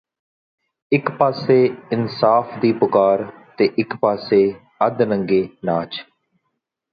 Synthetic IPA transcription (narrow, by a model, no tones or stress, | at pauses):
ɪkpaːseːɪnsaːfʰd̪iːpʊkaːɾt̪eːʔɪkpaːseː | əd̪nə̃ŋɡeːnaːt͡ʃ